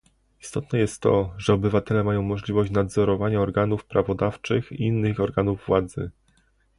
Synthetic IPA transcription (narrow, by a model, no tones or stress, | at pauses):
ist̪ɔt̪nɛjɛst̪ːɔ̰ʐɛɔbɘvat̪ɛlɛmajɔ̃w̃mɔʐlʲivɔɕt͡ɕnad̪zɔɾɔvaɲaɔɾɡanufpɾavɔd̪aft͡ʂɘxiinːɘxɔɾɡanuvːwad̪zɘ̰